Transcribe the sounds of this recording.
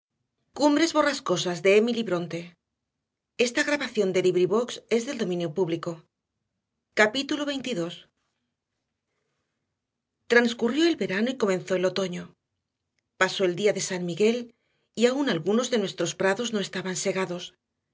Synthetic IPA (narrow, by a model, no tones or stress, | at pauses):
kumbɾe̞zβo̞rasko̞sazðe̞emiliβɾo̞nt̪e̞ | e̞st̪aɣ̞ɾaβaθjo̞nd̪e̞liβɾiβo̞kse̞zðe̞ld̪o̞mĩnjo̞puβliko̞ | kapit̪ulo̞βe̞jnt̪iðo̞s | t̪ɾanskurjo̞e̞lβe̞ɾanoiko̞mẽ̞nθo̞e̞lo̞t̪o̞ɲo | paso̞e̞ld̪iaðe̞sanmiɣe̞l | iaunalɣuno̞zðe̞nwe̞st̪ɾo̞spɾaðo̞zno̞e̞st̪aβanse̞ɣ̞aðo̞s